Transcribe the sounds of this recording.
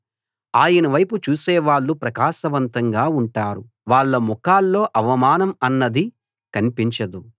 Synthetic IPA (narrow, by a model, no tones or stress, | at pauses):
aːjɐnɐʋɐjput͡ʃuːsɛːʋaːɭːupɾɐkaːʃɐʋɐnt̪ɐŋɡaːuɳʈaːɾu | ʋaːɭːɐmukaːlːo̞ːʔɐʋɐmaːnɐmɐnːɐd̪i | kɐnipiɲt͡ʃɐd̪u